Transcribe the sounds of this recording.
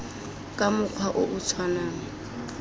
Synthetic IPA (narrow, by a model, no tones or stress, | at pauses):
kʼamʊkʰwaʔʊʔʊt͡sʰwanaːŋa